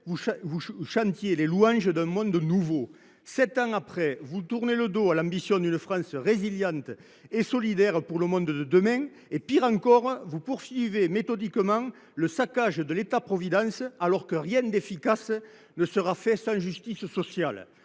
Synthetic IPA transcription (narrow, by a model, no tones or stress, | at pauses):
vuvuʃɑ̃nt̪jeleluɑ̃ʒəd̪ɛ̃mɔ̃nd̪nuvo | sɛt̪ɑ̃ŋapχɛvut̪uʁneləd̪oalɑ̃mbisjɔ̃d̪ynəfχɑ̃səʁeziljɑ̃nt̪ə | esɔlid̪ɛʁəpuʁləmɔ̃nd̪əd̪əd̪əmɛ̃ | epiʁɑ̃ŋkɔʁəvupuʁsɥivemet̪ɔd̪ikəmɑ̃ŋ | ləsakaʒəd̪əlet̪apχɔvid̪ɑ̃salɔʁkəʁjɛ̃nd̪efikas | nəsəʁafɛsɑ̃ʒyst̪isəsɔsjal